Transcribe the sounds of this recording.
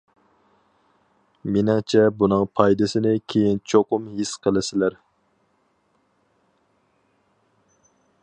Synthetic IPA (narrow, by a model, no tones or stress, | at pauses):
mɪnɪŋt͡ʃʰɛbunɨŋpʰɑjd̪ɪsɪnɪkʲʰejint͡ʃʰoqʊmɦisqʰəlˠɪsɪlæɾ